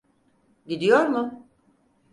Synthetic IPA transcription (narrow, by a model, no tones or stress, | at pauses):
ɟid̪ijo̞ɾmʊ